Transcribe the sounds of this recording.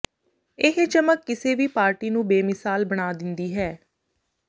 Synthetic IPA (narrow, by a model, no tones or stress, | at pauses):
ɪɦd͡ʒəməkːɪseːʋiːpaːɾʈiːnũːbeːmɪsaːlbəɽ̃aːd̪ɪnd̪iːɦɛː